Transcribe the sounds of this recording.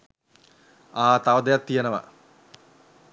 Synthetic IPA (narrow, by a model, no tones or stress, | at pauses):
aːt̪aʋəd̪ejat̪ːijenəʋɐ̰